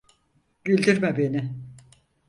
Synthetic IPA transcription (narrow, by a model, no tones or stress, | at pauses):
ɟylʲd̪iɾmɛbe̞nɪ